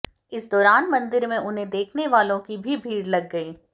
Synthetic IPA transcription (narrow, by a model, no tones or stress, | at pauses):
ɪsd̪ɔːɾaːnmɐ̃nd̪ɪɾmẽʔʊnɦẽd̪eːkʰneʋaːlõkibʱibʱiːɽlɐɡːɐiː